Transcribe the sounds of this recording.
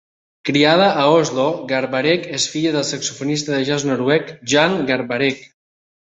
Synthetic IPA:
kɾiað̞aʔːozloɡaɾβaɾɛkesfiʎəðəlˠsəksufonist̪əðəʒaznoɾwɛkʒaŋɡaɾβaɾɛk

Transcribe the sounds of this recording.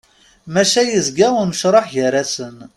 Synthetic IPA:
mæʃæjəzɡaʊɾməʃɾˤɑħʝəɾːasən

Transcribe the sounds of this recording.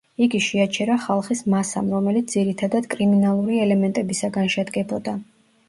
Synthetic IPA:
iɡiʃɛat͡ʃʰɛɾaχalˠχismasa̰mɾɔmɛlit̪sd̪ziɾit̪ʰad̪ad̪̥kʼɾiminalˠuɾiɛlɛmɛnt̪ʼɛbisaɡanʃɛd̪ɡɛbɔd̪a

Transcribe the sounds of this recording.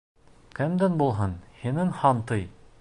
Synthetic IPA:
kɘmd̪ænbulˠɦɤnhinɘŋhɑnt̪ɤj

